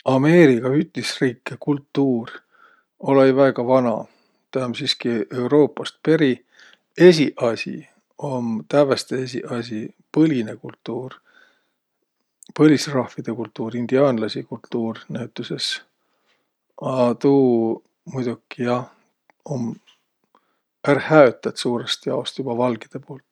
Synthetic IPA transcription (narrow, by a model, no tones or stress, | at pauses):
ɑme̞ːɾikɑyt̪isriːkːekult̪ːuːr | o̞lejvæeɡ̥ɑvɑnɑ̰ | t̪æmsiskie̞uwɾo̞ːpːˑɑst̪̚pe̞ɾi | e̞s̬ʲiʔɑsʲḭ | o̞mt̪ævest̪ees̬ʲḭʔɑs̬i | pɤlʲinekult̪ːuːr | pɤ̞lʲisrɑhfid̪̥e̞kult̪ːuːɾind̪̥iɑːnlɑsikult̪ːuːrnæyt̪ːˑuse̞s | ɑt̪uː | mujd̪ukːˑijɑ | om | ærhæøt̪ːˑɑt̪suːɾest̪jɑost̪jub̥ɑvɑlɡid̪̥e̞poːlt̪ˑ